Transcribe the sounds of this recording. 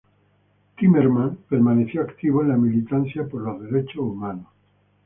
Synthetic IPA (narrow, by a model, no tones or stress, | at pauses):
t̪imeɾmãnpe̞ɾmane̞θjoakt̪iβ̞oẽnlamilit̪anθjapoɾlozðe̞ɾet͡ʃoumano